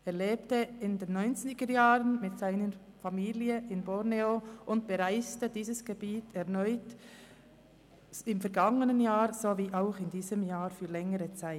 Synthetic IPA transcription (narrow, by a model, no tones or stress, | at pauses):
ɛɐleːptəɪndeːnːɔʏnt͡snɪɡ̥əɾjaːʁənmɪtsaɪnəɾfamiːliəʔɪnbɔɾneoʔʊntb̥əɾaɪstədiːzəsɡ̥əbiːtɛʁnɔʏt | ɪmfɛɐɾɡɑŋənənjaːɾz̥oviːʔaʊxɪndiːzəmjaːɾfyːlɛŋəɾət͡saɪ